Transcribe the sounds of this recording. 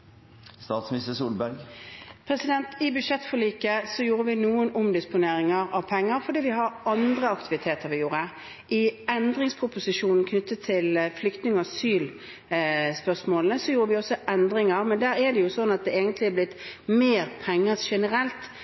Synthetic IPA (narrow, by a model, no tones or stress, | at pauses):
st̪ɑːt̪smɪnɪst̪əsuːlbæɾɡpʰɾɛsɪd̪ɛnt̪ɪbʉd̪ʂɛt̪ːfɔɭiːkəsɔjuːɾəʋɪnuːənʊmd̪ɪspʊneːɾɪŋəɾɑʋpʰɛŋːəɾfɔɖ̪iːʋɪɦɑɾʔɑnd̪ʁəɑkt̪ɪʋɪt̪ʰeːt̪ʰəɾʋɪjuːɾə | ʔɪɛnd̪ɾɪŋspʰʁʊpʊsɪʂuːnn̩kʰnʏt̪ːət̪ʰːɪlflʏkt̪nɪŋɑsyːl | spœsmoːlnəsɔjuːɾəʋɪɔsːɔʔɛnd̪ɾɪŋəɾmɛnd̪æːɾɛd̪ɛjʊsɔnːɑt̪̚d̪ɛeːɡənt̪lɪɛblɪt̪ːmeːɾpʰɛŋːəʂɛnəɾɛlt̪